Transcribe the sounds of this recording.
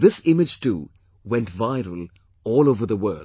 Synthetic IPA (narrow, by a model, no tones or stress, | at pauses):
ðɪsɪ̃mɪd͡ʒtṵː | wɛ̃ntvaɪɾəl̩ˠ | ɔːloʊvə˞ðəwɜː˞l